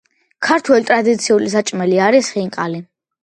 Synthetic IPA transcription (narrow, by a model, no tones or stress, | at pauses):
kʰaɾt̪ʰwɛlit̪ʼɾad̪it̪sʰiulisat͡ʃʼmɛliaɾisχiŋqʼali